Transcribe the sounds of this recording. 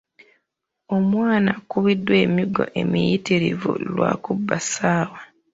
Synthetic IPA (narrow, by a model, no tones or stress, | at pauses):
o̞mwaːnakuβidːwe̞ːmiɡo̞̰ʔe̞mijitiɾḭvṵlwa̰ːkubːasaːwa